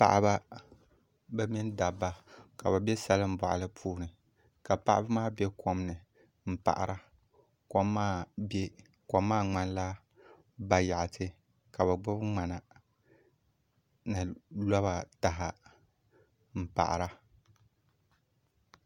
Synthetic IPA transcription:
pa̰˨ʔa˦ba˦ | bɛ˦mɪ˦n˦da˨bːa˨ka˨ba˨bɛ˦sa˦lɨ˦m̩˦bɔ˨ʔa̰˨lɨ˦pʰuː˦nɨ˨ | ka˨pa̰˦ʔa˦bɨ˦maː˦be˦kʰo˦m˦nɨ˨ | m̩˨pa̰˨ʔa̰˨ɾʔa˦ | ko˦mːaː˦be˦ | ko˨mːaː˦ŋ͡ma˦n˦la˦ | ba˨ja˨ʔa˨tʰɨ˦ | ka˨ba˨ɡ͡bʊ˦bɨ˦ŋ͡ma˨na˨ | nɨ˨la˦βa˨ta˨ɦa˨ | m̩˨pa̰˨ʔa̰˨ɾa˦

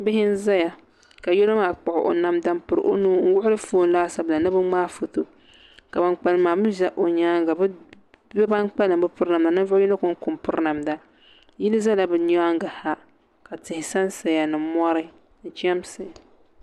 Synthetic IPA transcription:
bɪ˦ɦɪ˦n̩˦za˦ja˨ | ka˨jo˦lo˦maː˨k͡pɔ˨ʔʊ˨ʔo̰˨na˦mda˦m˦pɨ˨ɾɨ̰˨ʔo˦nuː˦ŋ̩˦wʊ˦ʔʊ˦lɨ˦foː˦n˦laː˦sa˨bla˨nɨ˦bɨ˦ŋ͡maː˦fo˨to˨ | ka˨ba˨nk͡pa˨lɨ˨maː˨bɨ˦ʒa˦ʔo˨ɲaː˦ŋɡa˨b | bɛ˦ba˦nk͡pa˦lɨ˨mbɨ˦pʊ˦ɾna˨mda˨nɨ˦nvʊ˦ʊ˦jɛ˦no˦kʊ˦ŋ˦kʊ˨mpʊ˦ɾna˨mda˨ | ji˦lɨ˦za˦la˨bɨ˨ɲ˦aː˦ŋɡa˨ha˦ | ka˨tɪ˨hɪ˨sa˦nsa˨ja˨nɨ˨mɔ˦ɾɨ˦ | n̩˨t͡ʃɛ˦msɨ˨

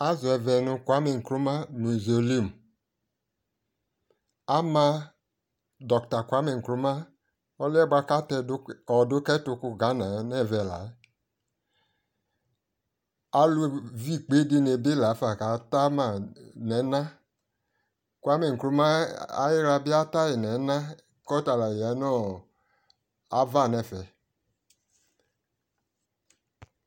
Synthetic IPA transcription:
a˦zu˨ɛ˧vɛ˧nu˧kʷa˨˦me˧ŋ̩˨kɾu˦ma˦nu˨zo˨li˦˨m˨ | a˦ma˧ | dɔ˨kta˨kʷa˨˦me˧˨ŋ̩˨kɾu˦ma˦ | ɔ˦lɛ˦ɡ͡ba˧˦ka˦tɛ˧dɔ˨du˦kɛ˦tu˧˦ku˧˨ɡa˨˦na˨nɛ˦˨vɛ˧˨la̰˨˦ | a˨˦lu˧vi˦˨k͡pe˨˦di˧ne˧be˦la˨˦fa˨ka˨˦ta˦ma˨nɛ˨˦nã˦ | ku˧˦a˦me˨ŋ̩˨klu˧˦ma˦a̰˦ji˦ɾa˧bi˦a˦ta˦ji˨nɛ˨˦na˦ | kɔ˦ta˧la˨a˨˦nɔ˦˨ | a˨va˦˨nɛ˨fɛ˨

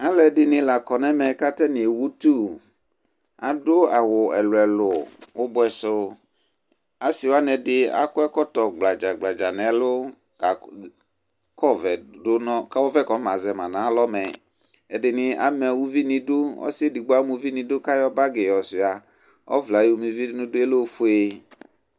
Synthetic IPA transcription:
a˦lɛ˨dɪ˨nɪ̃˨la˨kɔ˨nɛ̃˦mɛ̃˨ka˦t̪ɛ˦nĩ˨wu˦t̪u˦˨ | a˨dʊ˦a˨wʊ˨ɛ˨lʊ˨ɛ˨lʊ˨wʊ˦bʊ˦ɛ˨sʊ˦ | a˨si˨wa˦nɛ̃˨dɪ˦a̰˦kʊ˦ɛ˦kɔ˦t̪ɔ˨ɡ͡bla˨d͡ʒa˨ɡ͡bla˨d͡ʒa˨nɛ̃˨˦lʊ˦ | ka˨ | kɔ˦vɛ˨dʊ˦nɔ̃˦ka˦wɔ˦vɛ˦˨kɔ˨˦mã˨zɛ˨mã˨nã˨˦lɔ˦mɛ˨ | ɛ˨dɪ˨nɪ̃˦a̰˦mɛ˨wu˦vi˦nĩ˨dʊ˦ɔ̰˦si˦e˦di˨ɡ͡bo˦a˦mũ˨˦vi˦nĩ˨dʊ˦ka˦jɔ˦ba˦ɡe˨jɔ˨sɪ˨a˨ | ɔ̰˦vla˨ji˦wu˦mĩ˨vi˦nʊ̃˦dʊ˦e˦lo˦fʊ˦e˦

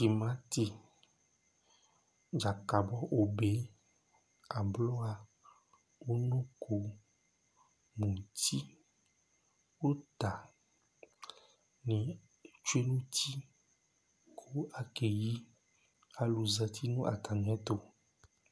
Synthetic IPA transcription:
ki˨mã˦t̪i˨ | d͡ʒa˨ka˨bɔ˦ʔo˨be˨˦ | a˨blɔ˦a˨ | wo˦nũ˦kʰo˨ | mũ˨t̪i˦ | wo˦t̪a˨ | nĩ˨ | t͡ʃu˦e˦nũ˦t̪i˦ | kʰo˦a˨ke˨ji˦ | a˨lu˨zɛ˨t̪ʰi˦nũ˦ʔa̰˨t̪a˨ñ˨˦ɛ̃˦t̪o˦

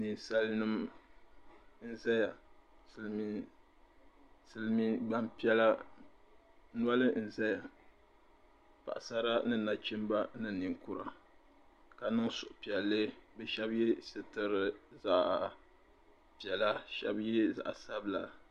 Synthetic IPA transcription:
ni˨nsa˦lnɨ˦m | n̩˦za˦ja˨ | sɨ˨lmi˦ | sɨ˦lmi˦ɡ͡ba˦mpi˦ɛ˦la˦ | nwa˦lɨ˦n̩˨za˦ja˨ | pa̰˨ʔsa˦ɾa˦nɨ˦na˨t͡ʃi˦m˦ba˦nɨ˦ni˨ŋku˦ɾa̰˨ | ka˨nɨ˦ŋsʊ˨ʔʊ˨pi˨ɛ˨lːɨ˦bɛ˦ʃɛ˦bjɛ˦sɨ˨tɨ˦ɾɨ˦za˦ʔ | pi˨ɛ˨la˦ʃɛ̰˦bjɛ˦za̰˨ʔa˨sa˦bla˨

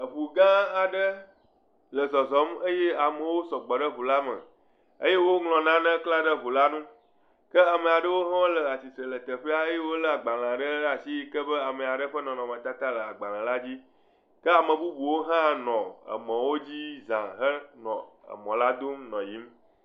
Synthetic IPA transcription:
ə˨βu˨ɡã˦a˨ɖə˦ | lə˨zɔ˨zɔ˨˦mə˦je˦a˨mə̃˨wo˦sɔ˨ɡ͡bɔ˨ɖə˦βu˨la˦mə̰̃˨ | ə̰˦je˦wo˦ŋlɔ̃˨nã˦nə̃˦kla˦ɖə˦βu˨la˦nũ˦ | kə˦a˨mə̃˨a˨ɖə˦wo˦ɦɔ̃˦lə˨a˨si˨sɾə˨lə˨t̪ə˨ɸe˦a˨e˦je˦wo˦lə˦a˨ɡ͡ba˨lã˨a˨ɖə˦a˨si˦kə˦bə˦a˨mə̃˨a˨ɖə˦ɸə˦nɔ̃˨nɔ̃˨mə̃˨t̪a˦t̪a˦lə˨a˨ɡ͡ba˨l̃ã˨la˦d͡ʑi˦ | kə˦a˨mə̃˨bu˦bu˨wo˦ɦã˦nɔ̃˨ə̰˨mɔ̃˨wo˦d͡ʑi˦zã˨ɦə˦nɔ̰̃˨ə̰˨mɔ̃˨la˦d̪o˦mnɔ̰̃˨ji˦m

